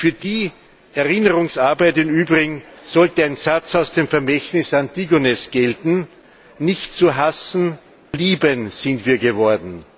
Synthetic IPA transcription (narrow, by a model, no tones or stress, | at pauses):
fyːɐdiː | ɛɐʁɪnəʁʊŋsaɐbæɪtɪnyːbʁɪɡŋ̩z̥ɔltəaɪnzat͡saʊsd̥eːmfɛɐmɛçtnɪsantiɡonɛsɡ̥ɛltn̩ | nɪçtt͡suɦasn̩ | liːbənz̥ɪndtv̥iːɐɡəvɔɐdn̩